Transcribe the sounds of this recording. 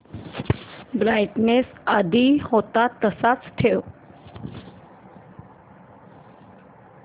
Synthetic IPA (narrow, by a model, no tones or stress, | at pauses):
bɾajʈnesəd̪ʱihot̪at̪əsat͡st̪ʰeʋ